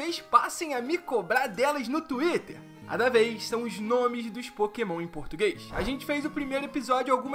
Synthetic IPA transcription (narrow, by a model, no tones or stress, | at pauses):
ejʃpa̰sẽj̃ɐmɪkobɾaɾd̪ɛlɐznʊt̪uit̪eɾ | a̰d̪ɐvejssɐ̃w̃ʊznõmɪzd̪ʊʃpokemɐ̃w̃ẽj̃poɾt̪uɡejsa̰ʒẽnt͡ʃɪ̥fejzʊpɾimejɾʊepizɔd͡ʒʊawɡũmɐ